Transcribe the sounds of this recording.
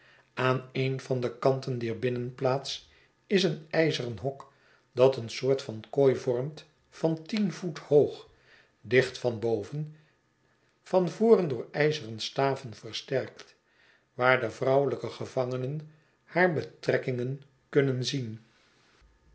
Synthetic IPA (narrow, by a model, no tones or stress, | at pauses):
aːnejnvɑndəkɑntəndɛɹbɪnənplaːts | ɪsənɛjzərənɦɔk | dɑtənsʊːɹtfɑnkojvɔɹmt | fɑntinvuthowχ | dɪχtfɑnbowvən | fɑnvʊːrəndʊːɹɛjzərənstaːvənvərstɛrkt | ʋaːɹdəvrɑwələkəχəvɑŋənən | haːɹbətrɛkɪŋən | kɵnənzin